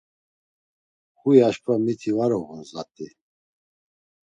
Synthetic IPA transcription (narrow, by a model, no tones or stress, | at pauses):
χujaʃpʰʼvamit̪ʰivaɾɔɣunzat̪ʼi